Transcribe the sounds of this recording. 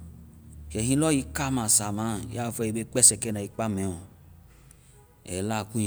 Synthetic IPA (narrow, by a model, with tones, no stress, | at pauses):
ʃɛ˨hĩ˦lɔ˦ji˧˦ka˦mã˨sa˨mã˦˨ja˦˨fɛ˧i˧˨be˦k͡pɛ˦sɛ˨kɛ˦nã˨i˨k͡pa˦mɛ̃˨wɔ̃˨ | ɛ̰˨la˦˨kũ˦